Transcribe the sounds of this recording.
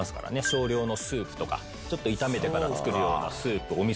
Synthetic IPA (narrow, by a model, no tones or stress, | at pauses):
asɨ̥ka̰ɾa̰ne̞ɕo̞ːɾʲo̞ːno̞sɨːpɯ̟̥t̪o̞ka̰ | t͡ɕo̞t̪ːo̞it̪ame̞t̪e̞kaɾat͡sɨ̥kɯɾɯ̟jo̞̰ːna̰sɨːpɯ̟omʲi